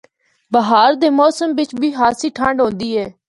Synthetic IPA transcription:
bəɦaːɾd̪eːmɔːsəmʋɪt͡ʃbʱiːɦaːsiːʈʰãːɳɖɦõːnd̪iːɛː

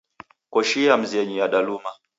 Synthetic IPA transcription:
kɔʃiam̩zɛɲijaɗaluma

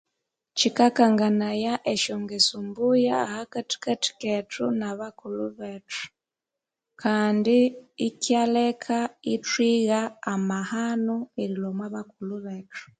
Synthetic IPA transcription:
cikakaŋɡanajaʔeʃoŋɡesumbujaːhakati̥kati̥ketʰunaβakuluβetu̥ | kʰaːndiːcjalekʰaitwiɣaːmahanoeɾilomwaβakuluβetu̥

